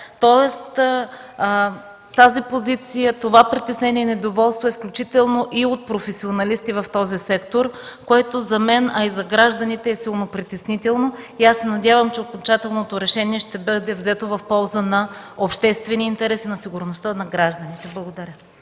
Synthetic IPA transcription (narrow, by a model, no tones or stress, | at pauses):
t̪ɔɛst̪ | t̪azipozit̪sijət̪ovapɾit̪ɛsnɛniɛnɛd̪ovɔlˠst̪voɛfklʲut͡ʃit̪ɛlˠnoʔiot̪̚pɾofɛsionɐlist̪ivɐft̪ɔzisɛkt̪oɾkoɛt̪ozɐmɛnɐizɐɡɾaʒd̪ɐnit̪ɛːsilˠnopɾit̪ɛsnit̪ɛlˠnoiasːɛnɐd̪ʲjavɐmt͡ʃɛokont͡ʃat̪ɛlˠnot̪oɾɛʃɛniɛʃt̪ɛbəd̪ɛvzɛt̪ovɐfpɔlˠzənɐ | opʃt̪ɛst̪vɛniːnt̪ɛɾɛsinɐsiɡʊɾnost̪ənɐɡɾaʒd̪ɐnit̪ɛblˠɐɡod̪ɐɾʲə